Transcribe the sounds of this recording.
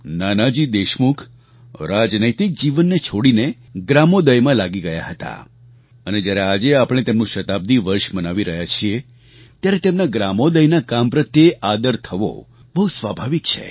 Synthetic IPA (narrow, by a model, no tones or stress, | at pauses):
nanad͡ʒid̪eʃmukʰ | ɾad͡ʒnəjt̪ik̚d͡ʒiʋənːet͡ʃʰoɽine | ɡɾamod̪əjmãlaɡiɡəja̰ɦət̪a̰ | əned͡ʒjaɾead͡ʒeapɽ̃et̪emnũʃət̪ab̚d̪iʋəɾʃmənaʋiɾəɦjat͡ʃʰie | t̪jaɾet̪emnaɡɾamod̪əjnakampɾət̪jeʔad̪əɾt̪ʰəʋo̰ | bəɦusʋabʱaʋik̚t͡ʃʰḛ